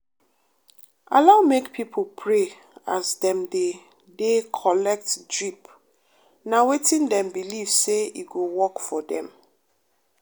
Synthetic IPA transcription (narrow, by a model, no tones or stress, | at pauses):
a̰laʊmekpʰipʰolpʰɹe | asdɛ̃mde | dekʰɔlɛk̚tdɹip | nawetĩndɛ̃mbiliv̥seiɡowɔkfɔdɛ̰̃m